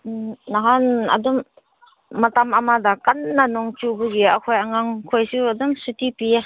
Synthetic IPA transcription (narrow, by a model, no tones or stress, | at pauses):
naɦana̰dumː | atamamadakanːanɔŋt͡ʃubuɡiakʰojaŋaŋkʰojsuaduŋsutipie